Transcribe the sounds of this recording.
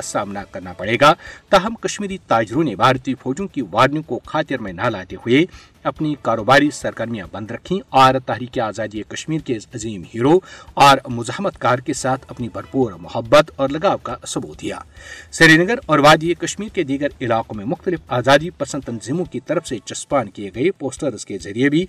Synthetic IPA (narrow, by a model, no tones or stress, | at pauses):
saːmnakɐɾnapɐɽeːɡat̪ɐɦɐmkɐʃmiːɾit̪aːd͡ʒɾõnebʱaːɾt̪ipʰoːd͡ʒõkiʋaːɖnjõkokʰaːt̪ɪɾmẽnɐlaːt̪eɦʊe | ɐpnikaːɾoːbaːɾisɐɾɡəɾmijã̰bɐ̃nd̪ɾɐkʰĩɔːɾt̪ɐɦɾiːkiaːzaːd̪ijkɐʃmiːɾkeɐziːmɦiːɾoɔːɾmʊzəhmət̪kaːɾkesaːt̪ʰɐpnibʱɐɾpuːɾmʊhəbːət̪ɔːɾlɐɡaːʋkasɐbuːt̪d̪ija̰ːsɐɾinɐɡəɾɔːɾʋaːd̪ikɐʃmiːɾked̪iːɡəɾɪlaːqõmẽmʊxt̪əlɪfʰaːzaːd̪ipɐsə̃nt̪ɐnzimõkit̪ɐɾəfset͡ʃɐspaːnkijeɡɐepoːsʈəɾzkezɐɾijebʱi